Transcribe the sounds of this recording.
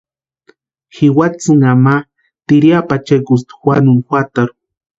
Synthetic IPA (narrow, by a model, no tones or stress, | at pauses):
xiwat͡sɨŋama | t̪iɾjapat͡ʃakus̬t̪xwanunxwat̪aɾu